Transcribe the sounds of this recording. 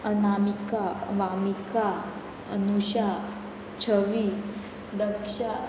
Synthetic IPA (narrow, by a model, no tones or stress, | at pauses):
ənamikaʋamika | ənuɕa | t͡ɕʰəʋi | d̪əkʂa